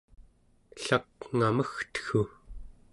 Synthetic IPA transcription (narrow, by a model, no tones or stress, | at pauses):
ɬakŋaməxt̪ə̥xu